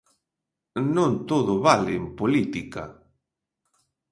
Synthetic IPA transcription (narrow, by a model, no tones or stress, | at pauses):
nõnt̪oðʊβalɪːmpolit̪ika̰